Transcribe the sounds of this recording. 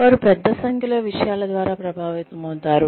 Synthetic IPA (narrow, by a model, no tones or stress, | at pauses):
ʋaːɾupɛd̪ʱːɐsɐŋkʰɐlɐʋiʂɐjaːlɐd̪ʋaːɾaːpɾɐbʱaːʋit̪ɐmɐwt̪aːɾu